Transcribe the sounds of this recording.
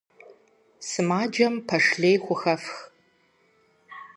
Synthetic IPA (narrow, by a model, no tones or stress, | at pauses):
sɨmaːd͡ʒɐmpʰɐʂɮeːjxʷʊxɐfx